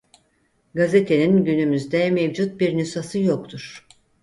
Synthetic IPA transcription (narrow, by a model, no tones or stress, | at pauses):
ɡaze̞t̪ʰe̞ninɟynymyzd̪ɛmevd͡ʒut̪̚biɾnysasɯjok̚t̪ʰuɾ̥